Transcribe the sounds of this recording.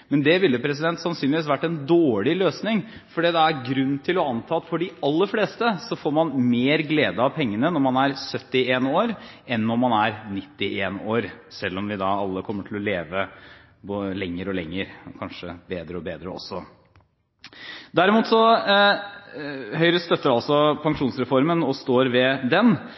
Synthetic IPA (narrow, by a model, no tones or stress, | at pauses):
mɛnd̪ɛʋɪlːəpʰɾɛs̬ɪd̪ɛnt̪sɑnsyːnlɪʋiːsʋæʈːɛnd̪oːɭɪløːsnɪŋfɔɖeːd̪ɛæɾɡɾʉnːt̪ʰɪlɔɑnt̪ʰɑːɑt̪fɔɖɪɑlːəfleːst̪əsɔfoːɾmɑnmeːɾɡleːd̪əɑʋpʰɛŋːənənɔɾmɑnæɾsœt̪ːɪeːnoːɾɛnːɔmmɑnæɾnɪt̪ːɪʔeːnoːɾsɛlːɔmʋɪd̪ɑɑlːəkʰɔmːəʈʰɪlɔleːʋə | bolɛŋːəɾɔlɛŋːəɾkʰɑnʂəbeːd̪ɾəɔbeːd̪ɾə̰ɔ̰sːɔ | d̪æɾɪmuːt̪sɔ | hœʏɾəst̪œt̪ːəɾɑlsɔpʰɑŋʂuːnsɾɛfɔɾmənɔst̪oːɾʋɛd̪ɛn